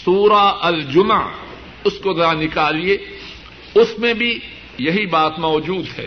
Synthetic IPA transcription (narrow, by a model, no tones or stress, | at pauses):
suːɾaɐld͡ʒʊmʕ | ʊskozɐɾanɪkaːlieː | ʊsmẽbʱi | jɐɦibaːt̪mɔːd͡ʒuːd̪ɦɛ̰ː